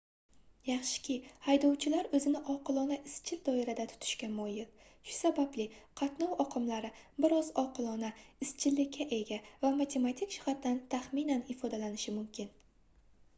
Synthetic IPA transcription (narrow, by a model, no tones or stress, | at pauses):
jɑχʃɪ̥kʲʰɪhajd̪ɒwt͡ʃʰɪlaɾɵzɪnɪʔɒqʰɨlˠɒnaʔɪst͡ʃʰɪld̪ɒɪɾad̪at̪ʰʊ̥t̪ʰɪ̥ʃkʲamɒjɪl | ʃʊ̥sabablɪqʰɑt̪nɒwɒqʰɨmlaɾɪbɪɾɒzɒqʰɨlˠɒnaɪst͡ʃʰɪlːɪkʲʰːaʔe̞ɡʲavamat̪ʰe̞mat̪ʰikʲʃɪ̥χat̪ːant̪ʰaχmɪnanɪfɒd̪alanɪʃɪmʊmkʲɪn